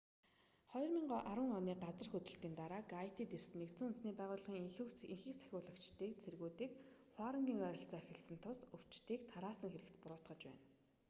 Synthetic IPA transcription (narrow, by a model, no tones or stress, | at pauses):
χɔjɞ̆rmiɴɢɔːʔaɾwə̆ŋɔniːɢat͡sərxɵt̪ɘ̆ɬt̪iːnt̪aɾaːɡajʰt̪iːt̪ersɘ̆nːekt̪t͡suːɵnsniːpæːʁʊːɮ̆ʁiːŋxɘ̆iŋxĭːksæ̥xʲʊːɮə̆kt͡ɕt̪iːk̚t͡sʰerɣuːt̪iːk | χwaːɾə̆ŋɡʲiːŋœːɾʲɞ̆ɬt͡sœːæxʲɪ̆ɮsɘ̆nt̪ʰʊsɵw̥t͡ɕt̪iːkt̪ʰaɾaːsə̆ŋxeɾɘ̆kt̪pʊɾʊːt̪χɞ̆t͡ɕpæ̰ːn